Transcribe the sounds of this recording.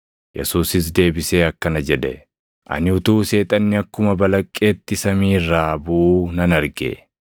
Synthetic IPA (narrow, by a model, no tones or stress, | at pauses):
jɛ̰suːsɪs̬d̪e̞ːbɪse̞ːɐkːɐnɐd͡ʒɛd̪ɛ | ʔɐ̰nɪʊt̪uːse̞ːt̪ʼɐnːɪɐkːʊmɐbɐlɐkʼːe̞ːt̪ːɪsɐmiːrːaːbuːnɐnɐɾɡḛ